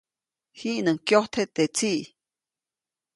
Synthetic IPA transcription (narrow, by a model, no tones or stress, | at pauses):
hiʔnəŋkjoht̪ʰet̪et͡siʔ